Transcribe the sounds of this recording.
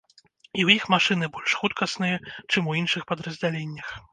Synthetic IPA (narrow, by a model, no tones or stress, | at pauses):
iwjixmaʂɨn̪ɨbɔlʲʂxut̪kɐsnɨjɐt͡ʂɨmuinʂɨxpɐd̪ɾɐzʲd͡zʲalʲenʲːɐx